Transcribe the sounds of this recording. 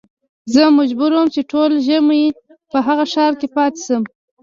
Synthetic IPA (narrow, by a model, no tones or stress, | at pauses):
zəmad͡ʒbuɾawmt͡ʃeʈʰolʒəmje | pəɦaɣaʃɑɾkepɑt̪e̥səm